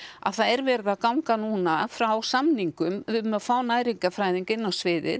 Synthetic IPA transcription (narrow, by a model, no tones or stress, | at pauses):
a̰ðθaðɛɾvɛːɾɪðakawŋkanuːnafɾawsamniŋkʏmɪʏmafaːwnaːjɾiŋkafɾaːjðiŋkɪnːawsvɪːðɪ̰ð